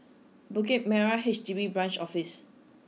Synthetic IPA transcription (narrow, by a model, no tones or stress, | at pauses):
buket̚mɛɹaɦet͡ʃdivibɹãnt͡ʃɔfis